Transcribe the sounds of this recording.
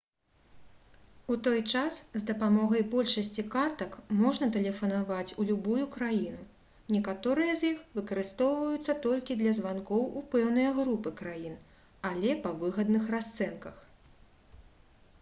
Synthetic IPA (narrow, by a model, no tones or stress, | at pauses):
ut̪ɔjt͡ʂaszd̪ɐpamɔɣɐjbɔlʲʂɐsʲt͡sʲikart̪ɐkmɔʐnɐt̪ɛlʲɛfɐnavat͡sʲulʲubujukɾajinu | nʲɛkat̪ɔɾɨjɐzʲjixvɨkɐɾɨst̪ɔwvɐjut̪sːɐt̪ɔlʲkʲid̪lʲɐzvankɔwupɛwnɨjɐɣɾupɨkɾajin | alʲɛpɐvɨɣɐd̪nɨxrast̪sɛnkɐx